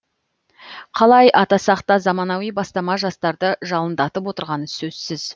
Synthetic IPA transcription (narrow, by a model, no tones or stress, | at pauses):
qʰɑlˠɑjʔɑt̪ɑsɑqt̪ɑzɑmɑnɑwijbɑst̪ɑmɑʒɑst̪ɑɾd̪əʒɑlˠənd̪ɑt̪əpwo̞t̪əɾʁɑnəsɵz̥sɪz̥